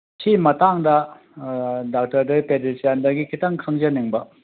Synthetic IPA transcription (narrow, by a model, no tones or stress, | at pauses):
sʰimɐtaŋdɐ | dak̚tɐɾdepedisandɐɡikʰitɐŋkʰɐŋzɐniŋbɐ